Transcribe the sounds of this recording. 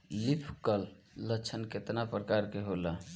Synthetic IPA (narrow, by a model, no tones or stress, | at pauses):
lipʰkəlː | ət͡ʃʰənket̪napɾəkaɾkeɦola